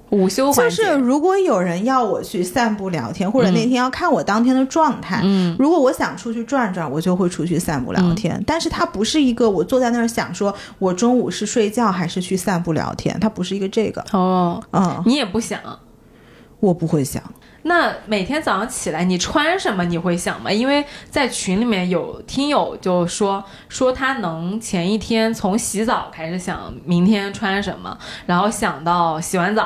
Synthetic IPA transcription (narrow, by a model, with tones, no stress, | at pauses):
u˨˩ɕjo˥ʊt͡ɕjo˥˧ʊʂɻ̩˥˩ɻu˧˥kwɔ˧˥jo˨˩ʊɻə˧˥njɑ˥˩ʊwɔ˨˩t͡ɕʰy˥˧sa˥˧npu˥˩ljɑ̰˧˥ʊt̪ʰjɛ˥nxwɔ˥˩ʈ͡ʂə˨˩ne˥˩ɪt̪ʰjjɑ˥˧ʊkʰa˥˩nwɔ˨˩t̪ɑ˥ŋt̪ʰjɛ˥nd̪ə˨ʈ͡ʂwɑ˥˧ŋt̪ʰa˥˩ɪɻu˧˥kwɔ˧˥wɔ˧˥ɕjɑ˨˩ŋʈ͡ʂʰu˥t͡ɕʰy˥˧ʈ͡ʂwa˥˧nʈ͡ʂwa˥˩nwɔ˨˩t͡ɕjo˥˧ʊxwe˥˧ɪʈ͡ʂʰu˥t͡ɕʰy˥˧sa˥˧npṵ˥˩ljɑ˧˥˧ʊt̪ʰjɛ̰˥nt̪a˥˧nʂɻ̩˥˩t̪ʰa˥pu˧˥ʂɻ̩˥˩i˧˥ɡə˧wɔ˨˩t͡swɔ˥˧t͡sa˥˧ɪnə˥˩ɻə˥ɕjɑ̰˨˩ŋʂwɔ˥ | wɔ˨˩ʈ͡ʂʊ˥ŋu˨˩ʂɻ̩˥˧ʂwe˥˧ɪt͡ɕjɑ˥˩ʊxa˧˥ɪʂɻ̩˥˧t͡ɕʰy˥˧sa˥˧npu˥˩ljɑ̰˧˥ʊt̪ʰjɛ̰˥nt̪ʰa˥pu˧˥ʂɻ̩˥˩i˧˥ɡə˧ʈ͡ʂɤ˥˩ɡə̰˩ɔ˥˧˥ni˧˥jɛ˨˩pu˥˩ɕjɑ̰˨˩˦ŋ | wɔ˨˩pu˧˥xwe˥˩ɪɕjɑ̰˨˩˦ŋ | na˥˩me˨˩ɪt̪ʰjɛ˥nt͡sɑ˨˩ɑ˥ŋt͡ɕʰi˨˩la˧˥ɪni˨˩ʈ͡ʂʰwa˥nʂə˧˥nmə˧ni˨˩xwe˥˩ɪɕjɑ̰˨˩ŋmɐ̰˦i˥nwe˥˩ɪt͡sa˥˩ɪt͡ɕʰi˧˥nli˨˩mjɛ˥˩njo˨˩ʊt̪ʰi˥ŋjo˨˩ʊt͡ɕjo˥˩ʊʂwɔ˥ | ʂwɔ˥t̪ʰa˥nɤ˧˥ŋt͡ɕʰjɛ˧˥ni˥˩t̪ʰjɛ˥nt͡sʰʊ˧˥ŋɕi˧˥t͡sɑ˨˩ʊkʰa˥ɪʂɻ̩˧˩ɕjɑ̰˨˩˦ŋmi˧˥ŋt̪ʰjɛ˥nʈ͡ʂʰwa˥nʂə̰˧˥nmə̰˧ɻa˧˥nxo˥˩ʊɕjɑ˨˩ŋt̪ɑ˥˩ʊɕi˨˩xwa˧˥nt͡sɑ˨˩˦